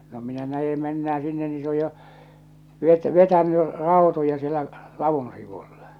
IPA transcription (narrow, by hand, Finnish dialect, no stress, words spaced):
no minæ næje menːæː sinːe ni se oj jo ʋet ʋetæny rɑˑotojɑ sielæ lɑʋun siʋull̥ɑ̥